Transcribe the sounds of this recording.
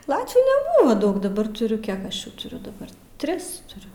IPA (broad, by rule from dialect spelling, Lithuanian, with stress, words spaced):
ˈlˠɑːtʲʋʲuː nʲɛˈbuːʋɐ ˈdɐʊk dɐˈbɐr tʊˈrʲʊ ˈkʲiɛk ɐʃ ˈjuː tʊˈrʲʊ dɐˈbɐr ˈtʲrʲɪs tʊˈrʲʊ